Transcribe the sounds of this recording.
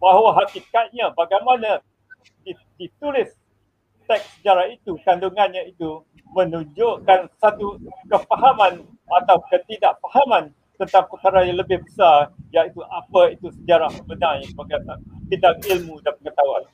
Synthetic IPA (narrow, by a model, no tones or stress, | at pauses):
baɦwaɦat̪ikat̪̚ɲabaɡajmãnã | di | dit̪ulɪs | t̪ɛk̚səd͡ʒaɾahit̪ukanduŋãnɲãit̪u | mə̃nũɲd͡ʒoʔkansat̪ukəfaɦamãn | at̪awkət̪idaʔfahamãn | t̪ənt̪aŋpəkaɾajaŋləbɪhbəsarjaʔit̪uʔapait̪usəd͡ʒaɾahəbənãjaŋəbaɡajsat̪idak̚ilmũdanməŋət̪awa̰n